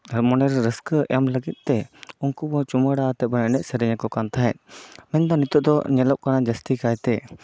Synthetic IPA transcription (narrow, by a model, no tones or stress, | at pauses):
mɔnɛɾɾəskəʔɛmləɡit̪̚ˀt̪ɛunkubɔt͡ʃuməɽat̪ɛbənɛnɛʔ̚səɾɛɲɛkɔkant̪ʰaɦɛt̪̚mɛnd̪ɔnit̪uʔ̚d̪ɔɲɛlɔʔ̚kanad͡ʒəst̪ikajt̪ɛ